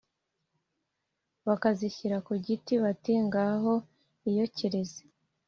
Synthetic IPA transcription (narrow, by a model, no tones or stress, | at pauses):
βakaziçiɾakuɟitiβatiŋɡaɦo̞ | ijo̞ciɾeze̥